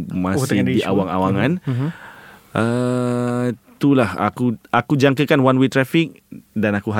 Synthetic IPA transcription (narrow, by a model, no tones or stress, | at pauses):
masɪdiʔa̰waŋa̰waŋãn | ə | t̪ulaha̰kuakud͡ʒaŋkəkanwanwet̪ɾafik̚ | danakuɦa